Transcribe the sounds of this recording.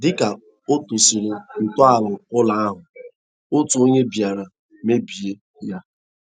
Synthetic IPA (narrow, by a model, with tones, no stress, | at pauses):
dɪ˦ka˨ | o˦to˨si˨ɾe˨n̩˨tɔ˦a˨lʊ˨ʊ˦la˦a˦ɦʊ˨ | o˦tu˨o˦ɲe˦bi˨a˨ɾa˨ | me˦bi˨je˦ | ja˦